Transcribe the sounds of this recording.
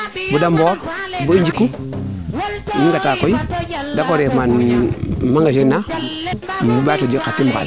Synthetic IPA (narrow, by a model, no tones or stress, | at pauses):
budamboɾ | buɲd͡ʒikːu | miŋɡatakojidakoɾeman | maŋɡaʃenːa | batod͡ʒikatimka̰